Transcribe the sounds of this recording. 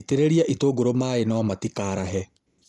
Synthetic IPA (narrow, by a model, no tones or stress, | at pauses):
teɾeɾiaʔitoːɡoɾomaːenaɔmatikaːɾaɦɛ